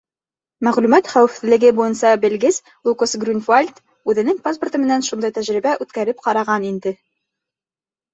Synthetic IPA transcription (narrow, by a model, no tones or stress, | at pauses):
mæʁlʉmæt̪χæwɘ̆fθɘ̆lɘ̆ɡɘbujɤnsɑbɘ̆lɡɘz | lukosɡrʲynfalʲt̪ | ʉðɘ̆nɘŋpaspŏrt̪ɤ̆mɘ̆nænʃund̪ɑjt̪æʒɾibæʔʉt̪kæɾɘp̚qɑɾɑʁɑnind̪ɘ